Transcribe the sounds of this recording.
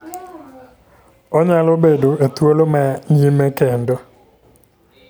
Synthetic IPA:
ɔɲalobedoet̪wolomɛɲimekendɔ

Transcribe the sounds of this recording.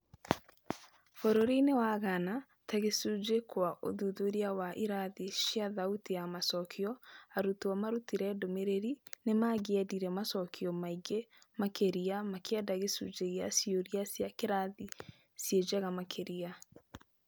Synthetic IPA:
fɔɾɔɾinewaɣana | taɣesud͡ʒekwaʔo̰ðuðoɾjawaʔiɾaðiʃjaðautijamasɔkʰiɔaɾutuamaɾutiɾɛdomeɾeɾinemaɣɛdiɾɛmasɔkiɔmaiɡemakeɾiamakeadaɣesṵd͡ʒeɣjasioɾiasjakeɾaði | sjed͡ʒaɣamakʰeɾia

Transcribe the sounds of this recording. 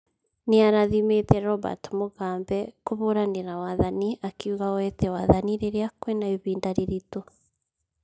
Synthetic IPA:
neaɾaðimetɛɾɔba̰tmoɣaːmbɛkoβoɾaneɾawaðaniakiuɣawɛtɛwaðaniɾeɾeakwenaiβiːndaɾeɾito

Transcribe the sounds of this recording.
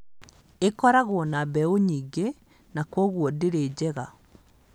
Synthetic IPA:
ekɔɾaɣoɔnabɛoɲiːɡe | nakoɣwodeɾed͡ʑɛɣa

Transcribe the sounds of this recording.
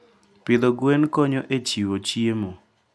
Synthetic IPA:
pɪd̪oɡwenkɔɲɔʔet͡ʃiwot͡ʃiemo

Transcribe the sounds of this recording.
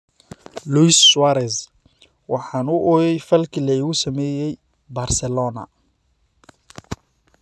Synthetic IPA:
luswaɾɛs | wɑħɑːnʊʔɔjɛjfɐlkʰilɐɪɣʊsɐmɛːjɛj | barsɛlɔːnɐ̰

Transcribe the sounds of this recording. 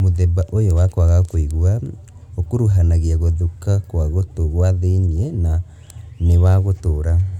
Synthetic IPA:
moðɛbaʔojowakwaɣakoiɣua | okoɾuɦanaɣeaɣoðukakwaɣotoɣwaðeiniɛna | newaɣotoːɾa

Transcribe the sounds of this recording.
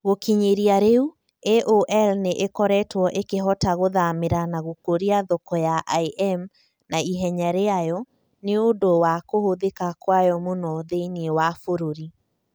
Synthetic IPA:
ɣokiɲeɾiaɾeu | eʔoʔɛlneʔekɔɾɛtwɔʔekeɦɔtaɣoðameɾanaɣokoɾiaðokɔjaʔaiʔɛm | naiɦɛɲaɾeajɔ | neodowakohoðekakwajɔmonɔðeniewafoɾoɾi

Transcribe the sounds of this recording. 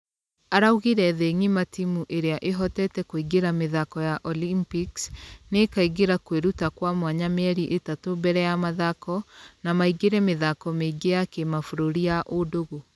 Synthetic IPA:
aɾauɣiɾɛðeŋimatimuʔeɾeaʔeɦɔtɛtɛkoiɡeɾameðakɔjaʔɔlimpiksnekaiɡeɾakweɾutakwamwaɲamɛɾiʔetatobɛɾɛjamaðakɔnamaiɡeɾɛmeðakɔmeɡejakemafoɾoɾijaʔodoɣo

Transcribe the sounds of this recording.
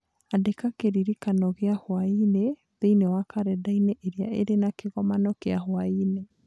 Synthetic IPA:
adekakeɾiɾikanɔɣeahwaine | ðeinewakaɾɛdaineʔeɾeaeɾenakeɣɔmanɔkeahwaine

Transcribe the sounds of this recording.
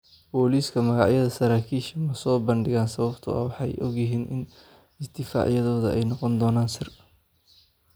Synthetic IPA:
bɔːliːskʰɐmɐɣɑʕjɐðɐsɐɾaːkʰiːʃɐmɐsɔːbɐnɖɪɣaːnsɐβɐbt̪ʰʊ̰ɐ̰wɑħɑjʔɔɡjɪɦiːnʔɪ̰n | ɪsd̪ɪfa̰ːʕjɐðɔːðɐʔɛjnɔqɔnd̪ɔːnaːnsɪr

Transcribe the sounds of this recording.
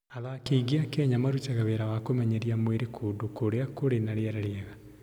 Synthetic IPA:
aðakeiɡiakɛːɲamaɾut͡ʃaɣaβeɾawakomɛɲɛɾiamweɾekʰodokoɾeakoɾenaɾeaɾaɾeaɣa

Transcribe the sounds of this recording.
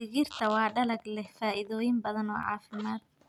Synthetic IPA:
ɪɣirt̪ʰɐwɑːɖɐlɐɡlɛhfaːʔɪðɔːjɪmbɐðɐnɔ̰ːʕɑ̰ːfɪmaːd̪̚

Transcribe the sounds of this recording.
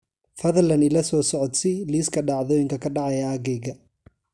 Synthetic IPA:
fɐðɐlɐnɪlɐsɔːsɔʕɔd̪sɪliːskʰɐɖɑʕðɔːjɪŋkʰɐkʰɐɖɑʕɑjɐːɡɛjɡɐ

